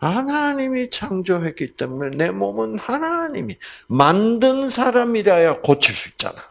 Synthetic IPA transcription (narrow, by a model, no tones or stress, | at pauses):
hanaɲimit͡ɕʰaŋd͡ʑoɦe̞t̚k͈it͈e̞mune̞ne̞momɯnhanaɲimimandɯnsʰaɾamiɾajakot͡ɕʰis͈uik̚t͡ɕ͈a̰na